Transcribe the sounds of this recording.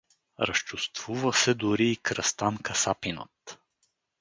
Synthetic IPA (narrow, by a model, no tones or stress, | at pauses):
ɾɐ̰st͡ʃust̪v̥uvəsɛd̪ʊɾiːkɾɐst̪ankəsapinə̰t̪